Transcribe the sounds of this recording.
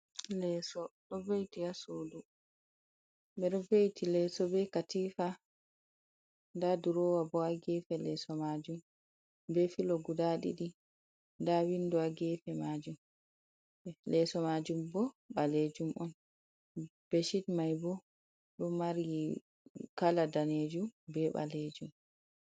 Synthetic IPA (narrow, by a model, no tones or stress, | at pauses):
lɛːsɔɗɔvejtiasodu | ɓɛɗɔvejtilɛsɔbɛkatifa | ndaduɾɔːwabɔaɡɛfɛlɛsɔmad͡ʒum | bɛfilɔɡudaɗḭɗi | ndawindɔaɡɛfɛmad͡ʒum | lɛsɔmad͡ʒumbɔ | ɓaled͡ʒumʔɔn | b̥eʃitmajbɔ | ɗumːaɾɡi | kaladaned͡ʒumbɛɓa̰leːd͡ʒum